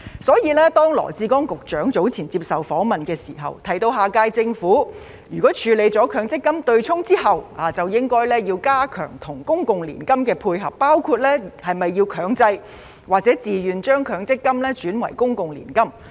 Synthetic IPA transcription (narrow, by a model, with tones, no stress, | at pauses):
sɔː˨˥jiː˧lɛː˥t̪ɔː˥ŋlɔ̰ː˨˩t͡siː˧kɔː˥ŋkʊ˨k̚t͡ʃœː˨˥ŋt͡so˨˥wt͡sʰiː˨˩nt͡siː˧p̚sɐ˨˩wfɔː˨˥mɐ˨nkɛː˧siː˨˩ɦɐ̰˨˩wt̪ʰɐ˨˩jt̪o˧wɦaː˨˩kaː˧jt͡sɪ˧ŋfuː˨˥ | jyː˨˩kɔː˨˥t͡ʃʰyː˨˧le˨˧jt͡sɔː˨˥kʰœː˨˧ŋt͡sɪ˥kːɐ˥mt̪ɵ˧ɥt͡sʰʊ˥ŋt͡siː˥ɦɐ˨waː˨˩t͡sɐ˨˩wjɪ˥ŋkɔː˥jlɛː˥jiː˧wkaː˥kʰœ̰ː˨˩ŋt̪ʰʊ˨˩ŋkʊ˥ŋkʊ˨ŋlḭː˨˩nkɐ˥mkɛː˧pʰuː˧jɦɐ̰˨pːaː˥wkʰuː˧t̚lɛː˥hɐ˨jmɐ˨jːiː˧wkʰœː˨˥ŋt͡sɐ˧j | waː˨k̚t͡sɛː˨˥t͡siː˨˩jyː˨nt͡ʃœː˥ŋkʰœː˨˧ŋt͡sɪ˥kːɐ˥mlɛː˥t͡ʃyː˨˥nwɐ̰˨˩jkʊ˥ŋkʊ˨ŋlḭː˨˩nkɐ˥m